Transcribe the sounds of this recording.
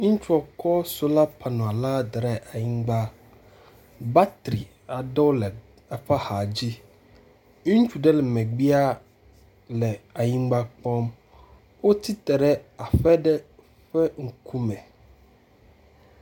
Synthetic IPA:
ŋ̩˦t͡ʃu˦ɔ˨kʰɔ˦so˦la˦pʰa˨nɔ̃˨a˨la˦d̪ɾɛ˨ʔa˨ɲĩ˦ŋɡ͡ba˦ | ba˦t̪ɾi˨ | a˨dɔ˦wlɛ˨ | ɛ˨ɸa˦ha˨d͡ʑi˦ | e˦ŋ̩˦t͡ʃu˨ɖɛ˦lɛ˨mɛ̃˨ɡ͡bi˦a˦ | lɛ˨a˨ɲĩ˦ŋɡ͡ba˦k͡pɔ̃˦m | wo˦t̪ʰi˦t̪ɛ˨ɾɛ˦a˨fɛ˦ɖɛ˦ | ɸɛ˦ŋ̩˨kʰu˦mɛ̃˨

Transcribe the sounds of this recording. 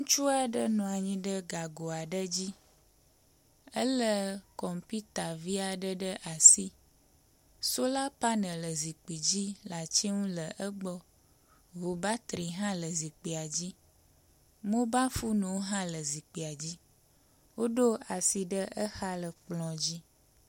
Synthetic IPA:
ŋũ˦t͡ʃu˦a˨ɖə˦nɔ̃˨a˨ɲĩ˦ɖə˦ɡa˨ɡo˨a˨ɖə˦d͡ʑi˦ | ə˦lə˦kɔ˨mpi˦t̪a˨vi˦a˨ɖə˦ɖə˦ʔa˨si˦ | so˦la˦pa˦nə̃˨lə˨zi˨k͡pi˨d͡ʑi˦la˨t͡ɕi˦ŋũ˦lə˨ʔə˦ɡ͡bɔ˦ | vo˨ba˦t̪ɾi˨ɦã˦lə˨zi˨k͡pi˨a˨d͡ʑi˦ | mõ˦ba˦fu˦nũ˨˦ɦã˦lə˨zi˨k͡pi˨a˨d͡ʑi˦ | wo˦ɖo˦a˨si˨ɖə˦ʔə˦xa˦lə˨k͡plɔ̃˨d͡ʑi˦

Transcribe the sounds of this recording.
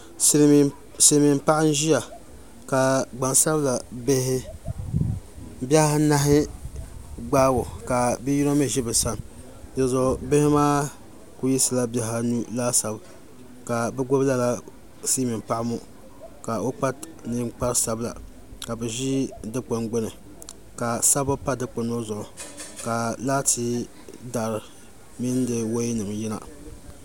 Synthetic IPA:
si˨˦mi˨m̩˦pa˦ɪ˦n˦ʒi˦ja˨ | ka˨ɡ͡ba˨nsa˦bla˨be˦hɪ˦ | ba˦ha˦na˦ɦɪ˦ | ɡ͡baː˦ɡo˨ka˨bi˦ji˦ɾo˦mɛ˦ʒi˦bɛ˨sa˦n | ja˨˦zɔ˨bɪ˦hɪ˦maː˦ | ku˦ji˦sɨ˨la˦bja˨ɦa˦nu˦laː˦sa˨b | ka˨bɛ˦ɡo˦bla˦la˦ | si˦mɪ˨mpa˦ʔmo˦ | ka˨o˦k͡pa˦t | nɨ˦k͡pa˦ɾsa˨bla̰˨ | ka˨bɛ˨ʒi˦dɨ˦k͡pʊ˨nɡ͡bʊ˦nɨ˨ | ka˨sa˦ba˦pa˦dɨ˦k͡pʊ˨no˦zʊ˨ʔʊ˨ka˨laː˦ti˦ | da˨ɾɨ˨ | mi˦n˦dɨ˦wo˦nɨ˨mji˦na̰˨

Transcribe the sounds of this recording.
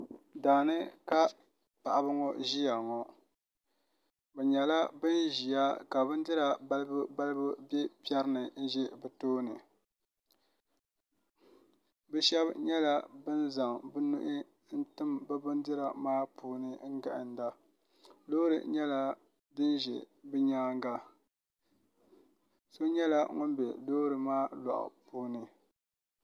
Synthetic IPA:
daː˨nɨ˦ka˦ | pa˨ʔa˨bɨ˦ŋɔ˦ʒi˦ja˨ŋɔ˨ | bɛ˨ɲɛ˨la˦bɨ˦nʒi˨ja˦ka˨bɨ˦n˦dɨ˦ɾa˨ba˦lɨ˦bɨ˦ba˦lɨ˦bɨ˦bɛ˦pi˦ɛ˦ɾɨ˦nɨ˨n̩˦ʒɛ˦bɛ˨toː˦nɨ˨ | bɛ˦ʃɛ˦bɲɛ˦la˦bɨ˦nza˨ŋbɨ˦nʊ̰˦ʔɪ˦ | n̩˦tɨ˦mba˦bʊ˦n˦dɨ˦ɾa˨maː˦pʰuː˦nɨ˨ŋ̩˦ɡa̰˨ʔɪ˨n˦da˦ | loː˦ɾɨ̰˨ɲɛ˦la˦ | dɨ˦nʒɛ̰˨ | bɨ˦ɲaː˦ŋ˦ɡa˦ | so˦ɲɛ˦la˦ŋo˦nbɛ˨doː˦ɾɨ˨maː˦la̰˨ʔʊ̰˨puː˦nɨ˨

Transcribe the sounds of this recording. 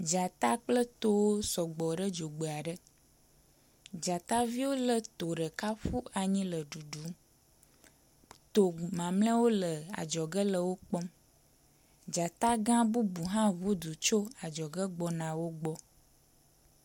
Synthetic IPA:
d͡ʒa˨t̪a˦k͡plə˦t̪o˦wo˦sɔ˨ɡ͡bɔ˨ɖə˦d͡ʒo˨ɡ͡be˨a˨ɖə˦ | d͡ʒa˨t̪a˦vi˦wo˦lə˨t̪o˨ɖə˨ka˦ɸu˦a˨ɲĩ˦lə˨ɖu˨ɖu˨˦m | t̪o˨mã˨mlə̃˦wo˦lə˨a̰˨d͡ʒɔ˨ɡə˦lə˨wo˦k͡pɔ˦m | d͡ʒa˨t̪a˦ɡã˦bu˦bu˨ɦã˦βu˦d̪u˨t͡ʃo˦a˨d͡ʒɔ˨ɡə˦ɡ͡bɔ˨nã˨wo˦ɡ͡bɔ˦

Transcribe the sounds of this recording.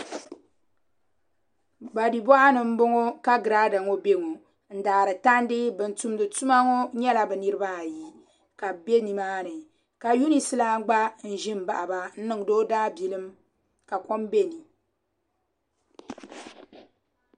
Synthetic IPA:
ɡ͡ba˨di˨bɔ˦ʔa˦nɨ˨m̩˦bo˦ŋo˦ka˦ɡɨ˨ɾaː˦da˨ŋo˦be˦ŋo˨ | n̩˦daː˨ɾɨ˨ta˦n˦dɨ˦bɨ˨n̩˨tu˨mdɨ˨tu˦ma˦ŋo˦ɲɛ˦la˨bɨ˨nɨ˦ɾɨ˦ba˦˨ji˦ | ka˨be˦ni˨maː˦nɨ˨ | ka˨ju˦ni˨sɨ˦la˦ɡ͡ba˦n̩˦˨ʒɪ˦m˨ba˨ʔa˨ba˦n̩˦nɨ˦ŋ˨doː˦daː˦bi˨lɨ˦m | ka˨ko˦mbe˦˨ni˨

